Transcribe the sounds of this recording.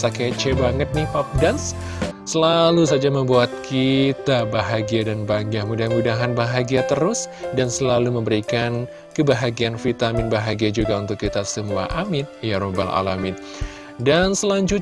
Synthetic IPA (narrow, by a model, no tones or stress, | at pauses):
saket͡ʃebaŋət̪̚nipap̚dansː | əlalusad͡ʒaməmbuat̪̚kʰit̪abaɦaɡiadanbaŋɡahmudamudaɦanbaɦaɡiat̪əɾʊsdansəlaluməmbəɾikan | kəbaɦaɡianfit̪amɪnbaɦaɡiad͡ʒuɡaunt̪ʊkːit̪asəmua̰ʔamɪt̪̚jaɾoba̰la̰lamɪt̪̚ | dansəlaɲd͡ʒʊ